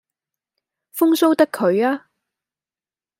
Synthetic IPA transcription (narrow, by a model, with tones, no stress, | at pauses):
fʊ˥ŋso˥wt̪ɐ˥kʰːɵ˨˧ɥaː˥